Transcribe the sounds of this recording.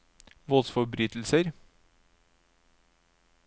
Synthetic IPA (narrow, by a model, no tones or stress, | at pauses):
ʋɔːsfɔbɾyːt̪l̩səɾ